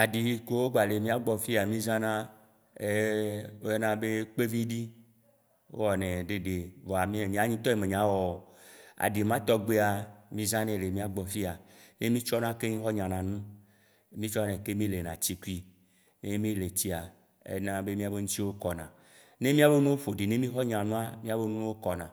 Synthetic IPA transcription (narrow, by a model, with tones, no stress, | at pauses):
a˨ɖi˨˦ko˦wo˦ɡ͡ba˨le˨mĩ˦a˦ɡ͡bɔ˨fi˦a˨mĩ˦zã˦nã˦ | e˦o˦ja˦nã˦be˦k͡pe˦vi˦ɖi˦ | wo̰˦wɔ˨nɛ̃˨ɖe˨ɖe˨vɔ˨a˨mĩ˦˨ɲ˨ã˨˦ɲĩ˦t̪ɔ˦e˦mẽ˨ɲã˨˦wɔ˨a̰˨ɖi˨mã˦t̪ɔ˦ɡ͡be˦a˨mĩ˦zã˦nɛ̃˦le˨mĩ˦a˦ɡ͡bɔ˨fi˦a˨ne˦mĩ˦t͡ʃɔ˦nã˦ke˦mĩ˦xɔ˦ɲã˨nã˨nũ˦ | mĩ˦t͡ʃɔ˦nɛ̃˨ke˦mĩ˦le˨nã̰˨t͡ɕi˦ku˦i˦ | ne˦mĩ˦le˨t͡ɕi˦a˨ | ḛ˦nã˦be˦mĩ˦a˨be˦ŋũ˦t̪i˦wo˦kɔ˨nã˨ | ne˦mĩ˦a˨be˦nũ˦wo˦fo˨ɖi˨ne˦mĩ˦xɔ˦ɲã˨nũ˦a˦mĩ˦a˦˨be˦nũ˦ũ˦wo˦kɔ˨nã˨